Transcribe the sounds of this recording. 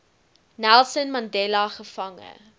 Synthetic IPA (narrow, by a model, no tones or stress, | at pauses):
nælˠsənmɐndɛlɐχəfɐŋə̰